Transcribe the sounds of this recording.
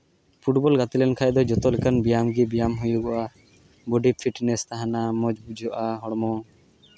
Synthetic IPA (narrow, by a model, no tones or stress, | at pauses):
pʰuʈbɔlɡat̪ilɛnkʰajd̪ɔd͡ʒɔt̪ɔlɛkanbijamɡibijamɦujuɡɔʔa | bɔɖipʰiʈnɛst̪aɦanamɔd͡ʒbud͡ʒʱɔʔaɦɔɽmɔ